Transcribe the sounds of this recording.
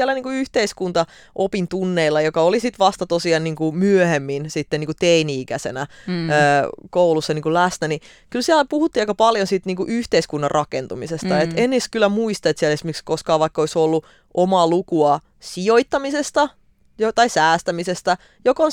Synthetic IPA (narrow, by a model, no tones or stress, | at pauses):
ælːæniːŋkuyht̪eiskunt̪ɑ | ʔopint̪unːeilːɑjokɑolisit̪ʋɑst̪ɑt̪osiɑnniːŋkumyøhemːinsit̪ːeniŋkut̪einiikæsḛnæøːkoulusːɑniːŋkulæsnæni | kylsiælæpuhut̪ːiːɑikɑpɑljonsit̪niːŋkuʔyht̪eiskunːɑrrʔɑkent̪umisest̪ɑet̪enːeskylːæmuist̪ɑet̪siɛælesmekskoskɑːʋʋɑikːɑoisolːu | ʔomɑːlukuɑ | sioit̪ːɑmisest̪ɑ | jot̪ɑisæːst̪æmisest̪æ | jokon